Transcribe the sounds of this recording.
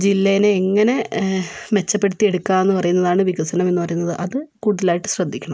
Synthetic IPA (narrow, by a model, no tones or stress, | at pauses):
d͡ʑilːejneːŋːɐne̞ | me̞t͡ɕːɐpːe̞ɽut̪ːie̞ɽukːaːe̞nːɨpɐrɐjunːɐðaːɳɨʋiɣɐsɐnɐme̞nːɨpɐrɐjunːɐðɨʔɐðɨkuːɽuðɐlaːjiʈːɨ̥ɕrɐd̪ʱːikʲːɐɳɐmm